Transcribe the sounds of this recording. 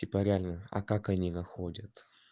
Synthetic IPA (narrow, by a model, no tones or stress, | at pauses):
tʲɪpɐɾʲalʲnəɐ̰kakɐnʲiɡɐxodʲət̪